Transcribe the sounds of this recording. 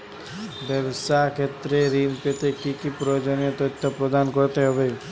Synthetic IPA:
bebst̪akʰet̪ɾeɾinpet̪ekikipɾɔjod͡ʒɔnijɔt̪ɔt̪ʰːɔpɾɔd̪ankɔɾt̪eɦɔbe

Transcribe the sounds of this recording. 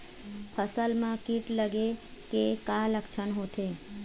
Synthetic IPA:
pʰəsəlmãkiʈləɡe | kekãləkʃʰənɦot̪ʰe

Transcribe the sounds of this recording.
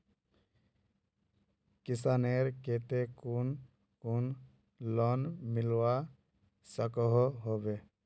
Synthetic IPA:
kisaneɾket̪ekun | kun | lɔnmilwa | səkɔɦɦobe

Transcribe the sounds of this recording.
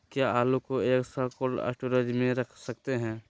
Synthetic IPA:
kjaaːlukoeːksəɾkoːɖɛ̰ːsʈoɾəd͡ʒmẽɾəkʰsək̚t̪eɦɛ̃ː

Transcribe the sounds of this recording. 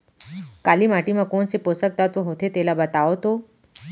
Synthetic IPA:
kalimaʈimãkoɳseposək̚t̪ət̪ʋəɦot̪ʰet̪elabət̪aʋot̪o

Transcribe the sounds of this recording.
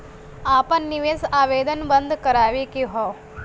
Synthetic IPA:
aːpɐnːiʋeːsaːʋeːd̪ənbɐnd̪ʱkɐɾaːʋikiɦoː

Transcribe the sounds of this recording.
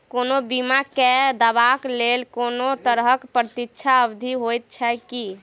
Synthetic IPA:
konobimaked̪əbaklelkonot̪əɾɦəkpɾət̪ikt͡ʃʰaəbd̪ʱiɦojt̪̚t͡ʃʰɛki

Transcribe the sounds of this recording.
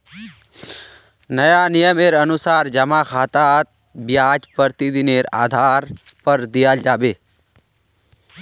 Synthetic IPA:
nɐjaːnijəmeːɾɐnusaːɾd͡ʒɐmaːkʰaːt̪aːt̪̚ | bjaːd͡ʒpəɾt̪id̪ineːɾa̰ːd̪ʱaːɾpɐɾd̪ijald͡ʒaːbeː

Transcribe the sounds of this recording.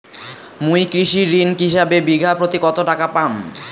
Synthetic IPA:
mujkɾiʃiɾinkɦiʃabebiɡʱapɾot̪ikɔt̪oʈakapam

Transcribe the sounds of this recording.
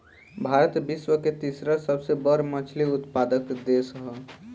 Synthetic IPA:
bʱaɾət̪biswəket̪isɾəsəbsebəɾmət͡ʃʰliʊt̪pad̪əkd̪esɦə

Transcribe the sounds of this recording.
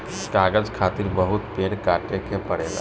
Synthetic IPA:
kaɡəd͡ʒkʰat̪iɾbəɦut̪peɽkaʈekʰepəɽela̰

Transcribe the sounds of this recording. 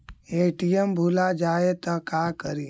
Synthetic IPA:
eːʈijəmbʱulad͡ʒaːet̪əkaːkəɾi

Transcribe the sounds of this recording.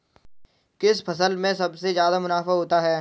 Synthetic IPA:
kɪspʰɐs̬əlmẽsɐbsezjaːd̪amʊnaːfaɦoːt̪aɦɛː

